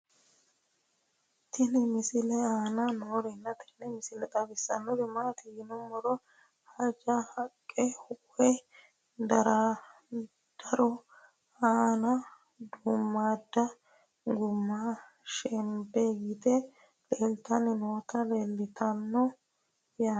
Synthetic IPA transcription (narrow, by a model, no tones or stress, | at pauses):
t̪ʰɪnɪmɪsɪlɛaːnɐnoːɾɪnːɐt̪ʰɪ̥nɛmɪsɪlɛt̪ʼɐbɪsːɐ̰nːɔɾɪmaːt̪ɪjɪnɔmɔɾɔ | hɐd͡ʒɐhɐkʼːɛhʊkʼːɛ | d̪ɐɾɐ | d̪̥ɐɾɔ | aːnɐ | d̪ʊmːaːd̪ːɐ | ɡʊmːa | ʃɛmbeɡiːt̪ɛ | lelt̪ɐnɪnoːt̪ɐlelːɪt̪ɐnːɔ | jaː